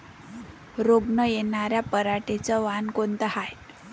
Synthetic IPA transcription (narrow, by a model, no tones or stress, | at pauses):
ɾobɳəjenaɾjapəɾaʈet͡səʋankont̪əhaj